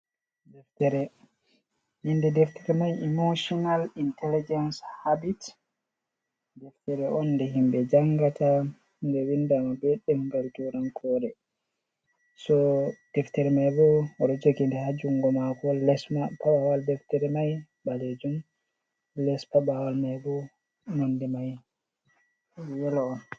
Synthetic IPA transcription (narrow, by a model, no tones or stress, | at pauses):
dɛftɛɾɛ | hinːdɛdɛftʰɛɾɛmajɛmoʃɔnalintʰɛlid͡ʒɛnshabit | dɛftɛɾɛɔnːdɛɦimbɛd͡ʒaŋɡata | hndɛwindamabɛɗːɛmɡaltuɾankʰɔːɾɛ | sɔd̥ɛftɛɾɛmajbɔɔɾɔd͡ʒokindɛhad͡ʒuŋɡɔmakɔlɛsmpaɓawaldɛftɛɾɛmaj | baled͡ʒum | lɛspaɓawalmajbɔ | mondimaj | jɛlɔɔn